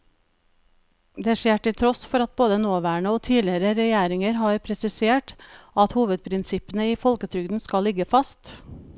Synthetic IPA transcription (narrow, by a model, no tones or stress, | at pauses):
d̪eːʂeːʈɪlt̪ʰɾɔsfɔɾɑt̪̚boːd̪ənoːʋæːɳəoːt̪ʰiːlɪəɾəɾɛjeːɾɪŋəɾɦɑɾpʰɾɛsɪseːʈɑt̪huːʋəd̪̚pʰɾɪnsɪpənəiːfɔlkət̪ʰɾʏɡd̪n̩skɑlːɪɡəfɑst̪